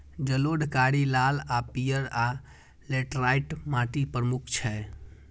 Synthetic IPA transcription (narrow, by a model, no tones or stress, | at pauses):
d͡ʒəloɖʱkaɾilaːlapijəɾa | leʈɾaiʈmãʈipɾəmukʰt͡ʃʰɛ